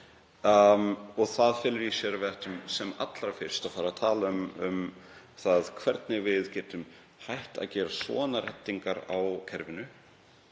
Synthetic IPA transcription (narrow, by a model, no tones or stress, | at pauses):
ɔɣθaðfɛːlʏɾjɛsjɛːɾavɛht̪ʏmsɛma̰t̪lɾafɪr̥st̪afaːɾat̪ʰaːlaʏmʏm | θaðkʰvɛɾt̪̚nɪɣvɪðcɛːt̪ʏm | hajht̪a̰ðcɛːɾasvɔ̰ːðanarɛ̰t̪ːiŋkaɾawcʰɛɾvɪnʏ